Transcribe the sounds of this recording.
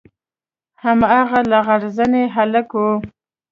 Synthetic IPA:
hamaɣalaɣaɽzaneɦaləkwu

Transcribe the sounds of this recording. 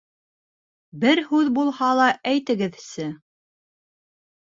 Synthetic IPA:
bɘɾhʉðbulˠhɑlˠɑʔæjt̪ɘ̆ɡɘðsɘ

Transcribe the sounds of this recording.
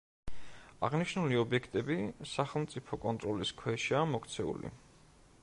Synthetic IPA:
a̰ʁniʃnuliɔbiɛkʰt̪ʼɛbisaχɛlˠmt̪sʼipʰɔkʼɔnt̪ʼɾɔliskʰwɛʃiamɔkʰt̪sʰɛṵlḭ

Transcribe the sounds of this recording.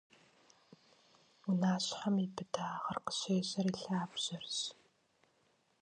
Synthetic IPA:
unaːɕħamibɨdaːʁɐrqə̥ɕeːɕʼɐriːɬaːbʑ̥ɐrɕ

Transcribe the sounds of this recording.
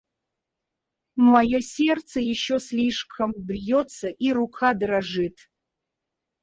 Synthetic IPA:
mmɐjosʲert̪səjɪɕːoslʲiʂkʰɐmbrjot̪sɐʔirukʰad̪raʐɨt̪ʰ

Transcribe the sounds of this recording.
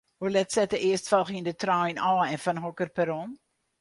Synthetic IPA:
hulɛtsɛtəʔɪəstfɑlˠχindətrajnɔːɛnfɔnɦɔkərpɛɾɔn

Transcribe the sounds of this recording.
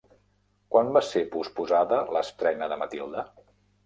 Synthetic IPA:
kwanbasepuspuzaðələst̪ɾɛnəðəmət̪ilˠd̪ə

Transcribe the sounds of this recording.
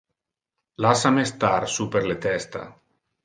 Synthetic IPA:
lasamest̪aɾsupeɾlet̪ɛst̪a̰

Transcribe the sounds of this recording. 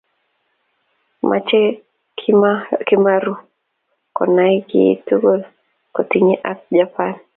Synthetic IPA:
mʔa̰t͡ʃɛ | kɪmaɾu | kɔ̰naikɪ̰ːtuɡol | kɔtiɲeʔak̚d͡ʒapan

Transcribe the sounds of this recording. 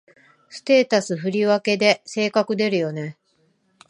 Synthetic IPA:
sɨ̥t̪e̞ːt̪asɨɸɯ̟ɾʲiβake̞d̪e̞se̞ːkakɯ̟d̪e̞ɾɯ̟jo̞ne̞

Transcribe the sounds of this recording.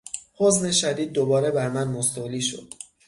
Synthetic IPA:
hozne̞ʃæd̪iːd̪̚ːobɒːɾebæɾmænmost̪oliːʃo̰d̪̥

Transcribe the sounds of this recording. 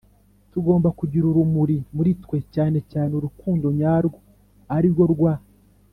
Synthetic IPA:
tuɡo̞ːmbakuɟiɾuɾumuɾimuɾitkwe̞caːne̞caːneuɾukuːndo̞ɲaːɾɡo | aɾiɾɡo̞ɾɡwa

